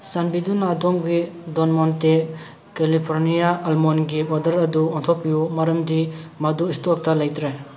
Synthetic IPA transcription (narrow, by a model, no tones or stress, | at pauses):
sanbidunadɔŋɡidonmonte | kelipʰoɾnijaːlmonɡiadɐɾɐduɔntʰop̚ːijumɐɾɐmdimɐduistok̚tɐlɐjtɾe